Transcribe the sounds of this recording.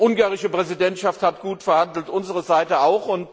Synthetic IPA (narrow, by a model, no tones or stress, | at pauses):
ʔʊŋɡaːʁɪʃəpʁ̥ɛzidɛntʃafthatɡ̥uːtfɛɐhandl̩tʔʊnzəʁəzaɪtəaʊxʊnt